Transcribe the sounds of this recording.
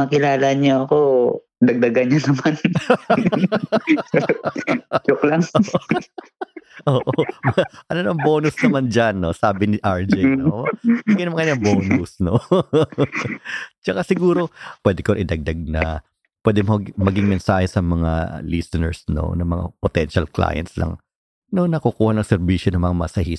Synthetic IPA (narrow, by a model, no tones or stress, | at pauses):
ɐkɪlaːlɐɲoʔɐko | d̪ɐɡ̚d̪ɐɡanɲɐnɐman | t͡ʃʊklaŋo | ʔoːʔomɐʔɐnonɐŋbo̞ːnʊsnɐmand͡ʒɐnːo̞saːbɪnɪʔaɹd͡ʒɛnomɐɡɪnɐmɐŋkɐɲːɐŋboːnusno | t͡ʃɐkasɪɡuːɾo̞pwɛːd̪ɪkoʔɪd̪ɐɡ̚d̪aɡ̚nɐ | pwɛːd̪ɛmomɐɡɪŋmɛnsaːhɛsɐmɐŋa̰lisɪnɛ̰ɹsno̰nɐŋmɐŋa̰pot̪ɛnʃɐlkla̰ːjɐ̰nt̪̚slɐ̰ŋ | nonɐkukuːhɐnɐŋsɛɾbiʃonɐŋmɐŋamɐsɐhi